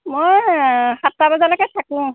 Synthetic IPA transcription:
mojhatːabazalɔkɛtʰakʊ̃

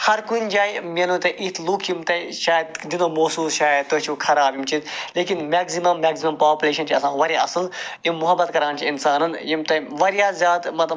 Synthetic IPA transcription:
hɐɾkund͡ʒaːimenũt̪ɐʔit̪ʰlukʰjimt̪ɐʃaːjɐd̪d̪inoːmoːsuːsʃaːjɐd̪̚t̪ːot͡ʃʰikʰɐɾaːbjimt͡ʃʰinleːkinmaːksimɐmːaːksimɐmpaːpuleːʃɐnt͡ʃʰiɐsãːʋɐɾeɐ̰sɨljimːʊɦɐbːɐt̪kɐɾãːnt͡ʃʰiinsaːnɐnjimt̪ɐʋɐɾijaːzʲjaːd̪mɐt̪lɐ

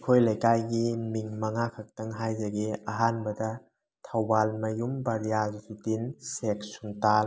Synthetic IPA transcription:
kʰojlɐjkajɡimiŋmɐŋakʰɐk̚tɐŋɦajzɐɡeɐɦanbɐdɐ | tʰɐwbalmɐjumbɐɾijazzutinsek̚sumtal

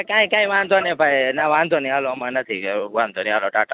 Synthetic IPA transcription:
kãːĩkãːĩʋãːnd̪onebʱajnaʋãːnd̪oniaːlomanət̪ʰḭʋãːnd̪onĩaːloʈaːʈa

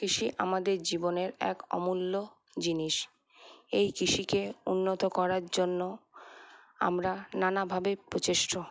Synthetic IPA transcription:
kɾiʃiʔamad̪eɾd͡ʑiboneɾɛ̰kɔ̰mulːo | d͡ʑiniʃ | ejkiʃikeunːot̪okɔɾaɾd͡ʑonːo | a̰mɾananabʱabepɾot͡ɕeʃʈo

